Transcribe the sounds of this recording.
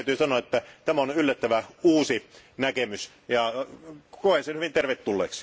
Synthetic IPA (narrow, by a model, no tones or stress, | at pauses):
yt̪yːsɑnoɑet̪ːæt̪æmæonylːæt̪ːæʋæuːsi | nækemys | jɑ | koˑensenhyʋint̪erʋet̪ːulːḛːks